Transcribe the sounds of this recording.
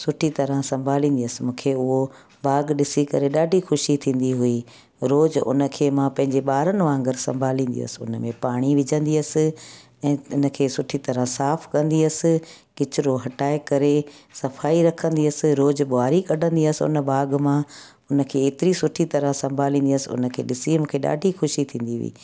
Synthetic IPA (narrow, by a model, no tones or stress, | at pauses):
sʊʈʰit̪ɐɾə̃sɐ̃mbʱaːlĩːnd̪iəsɪmũːkʰeʊɦo | bʱaːɡɗɪsikɐɾeɗaːɖʱixʊʃit̪ʰĩːn̆d̪iɦʊi | ɾoːzʊ̰nəkʰeːmãpɐ̃ɦɪ̃ɲd͡ʑeɓaːɾənɪ̆ʋãːŋɡəɾsɐ̰̃mbʱaːlĩːnd̪ḭə̰sɪʊ̰nəmẽpaːɽ̃iʋɪd͡ʑʱə̃nd̪iɐsɪ̆ | ɛ̃ːʊnə̆kʰeːsʊʈʰit̪ɐɾə̃saːfʰkɐ̃nd̪iəsɪ̆ | kɪt͡ɕʊɾoɦɐʈaːɪkɐɾesɐfaːiɾɐkʰə̃nd̪iɐsɪ̆ɾoːzɓʊaːɾikɐɖʱə̃nd̪iəsɪʊ̰nəbʱaːɡmã | ʊnə̆kʰeːeːt̪ɪɾisʊʈʰit̪ɐɾə̃sɐ̃mbʱaːlĩːnd̪iəsɪʊ̰nə̆kʰḛːɗɪsiʊnkʰeɗa̰ːɖʱixʊʃit̪ʰĩːn̆d̪iɦʊ̰ḭː